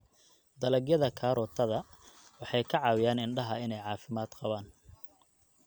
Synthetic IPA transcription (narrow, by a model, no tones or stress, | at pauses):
d̪ɐlɐɡjɐðɐkʰaːɾɔːt̪ʰɐðɐwɑħɑjkʰɐʕɑːwɪjaːnɪnɖɐɦɐɪnɛjʕɑːfɪmaːd̪̥qɑβaːn